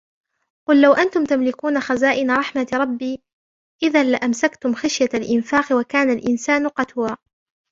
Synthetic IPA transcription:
qʊlːawʔant̪ʊmt̪amlɪkuːnaxazaːʔɪnaɾˤɑħmaɾˤɑbːiː | ʔɪðanlɪʔamsakt̪ʊmxaʃjalʔɪnfaːqwakaːnalʔɪnsaːnqɑt̪waː

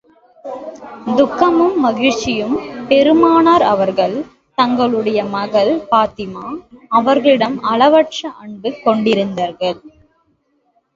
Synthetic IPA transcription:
d̪ʊkːɐmɯmːɐɣɪɻt͡ʃːɪjɯmpɛɾɯmaːnaːɾɐʋɐɾɣɐɭ | t̪ɐŋɡɐɭɯɽɐjɐmɐɣɐɭpaːt̪ɪmaːɐʋɐɾɣɐɭɪɽɐmɐɭɐʋɐʈt͡ʃɐʔɐɳɖɯkɔɳɖɪɾɯnd̪aːɾɣɐɭ

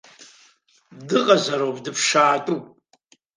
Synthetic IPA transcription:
dɨqʼazaɾowpʼdɨpʰʂaːtʼupʼ

